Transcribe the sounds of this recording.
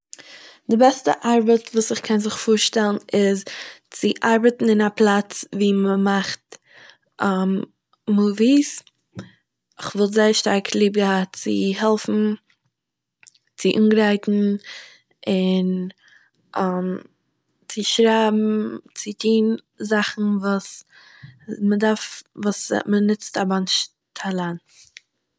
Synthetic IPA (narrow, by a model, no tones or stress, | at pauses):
dɪbɛstə̰ʔaɾbətvuːsɪχkʰɛnzɪχfuːɾʃtɛlˠn̩ɪzt͡sɪʔaɾbətn̩ɪnaplˠat͡sviːməmaχt | ʔa | muːvis | ɪχvɔlˠtzaɪəɾʃtaɾkʰlˠiːb̚ɡəhat͡sɪ̰ɦɛlˠfn̩ | t͡sɪʔuːnɡɾaɪtn̩ | ɪn | ʔam | t͡sɪʃɾaɪbm̩t͡sɪtʰiːn | zaχn̩vuːs | mədaɾfvuːsmənɪt͡stabanʃ | tʰalˠant